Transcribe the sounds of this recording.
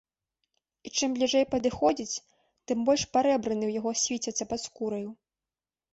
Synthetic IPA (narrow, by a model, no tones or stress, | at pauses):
it͡ʂɨmblʲiʐɛjpɐd̪ɨxɔd͡zʲit͡sʲ | t̪ɨmbɔlʲʂpaɾɛbɾɐnɨwjaɣɔsʲvʲit͡sʲɐt̪sːɐpɐt̪skuɾɐju